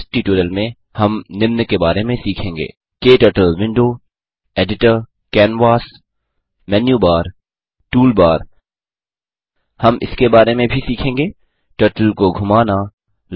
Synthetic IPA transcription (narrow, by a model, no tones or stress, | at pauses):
sʈiʈuːɾəlmẽ | hɐmnɪmnəkebaːɾemẽsiːkʰẽːŋɡḛː | keːʈəːʈəlʋɪ̃ɳɖoː | eːɖɪʈəɾ | kɛːnʋaːs | mɛːnjuːbaːɾ | ʈuːlbaːɾ | hɐmɪ̰skebaːɾemẽbʱisiːkʰẽːŋɡeː | ʈəːʈəlkoɡʱʊmaːna | l